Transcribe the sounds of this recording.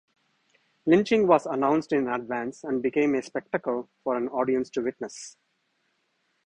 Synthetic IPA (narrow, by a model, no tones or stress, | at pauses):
lɪ̃nt͡ʃɪ̃ŋɡʋɔːzənãʊ̃nsʈɪ̃nəɖʋæ̃nsæ̃ɳɖbɪkẽːmespɛk̚ʈəkəlfɔːɾæ̃nɔːɖiə̃nsʈuʋɪʈ̚nəs